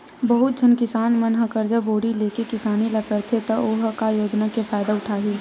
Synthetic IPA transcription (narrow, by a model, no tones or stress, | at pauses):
bɐɦʊt̪̚d͡ʒʱɐnkɪsaːnmɐnɦəkəɾd͡ʒəboːɽileːkekɪsaːnilɐkəɾt̪ʰet̪ɐoɦkajoːd͡ʒnakepʰaːd̪aʊʈʰaːɦiː